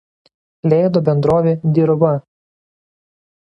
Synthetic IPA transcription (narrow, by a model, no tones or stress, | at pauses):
lʲɛɪd̪oːbʲɛnd̪ɾoːʋʲed̪ʲiɾʋɐ